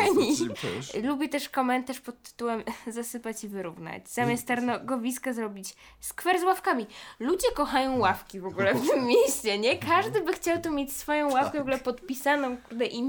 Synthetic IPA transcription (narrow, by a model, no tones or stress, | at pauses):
aɲi | lubʲɛt̪ɛʂkɔmɛnt̪aʂpɔt̪ːɘ̥t̪uwɛmzasɘpat͡ɕivɘɾuvna̰d͡ʑz̥amʲjast̪t̪aɾnɔɡɔvʲiskazɾɔbʲit͡ɕ | skfɛɾzwafkamʲilud͡ʑɛkɔxajɔ̃w̃wafkʲivɔɡulɛft̪ɘmːʲejɕt͡ɕɛɲɛkʰaʐd̪ɘbɘxt͡ɕawt̪ɔmʲjet͡ɕsfɔjɔ̃w̃wafkɛvɔɡulɛpɔt̪pʲisanɔ̃w̃kuɾd̪ɛʔi